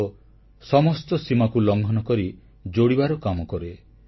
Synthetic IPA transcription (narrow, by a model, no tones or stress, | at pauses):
o | sɔmɔst̪ɔsimakulɔŋɡʱɔnɔkɔɾi | d͡ʒoɽibaɾɔkamɔkɔɾe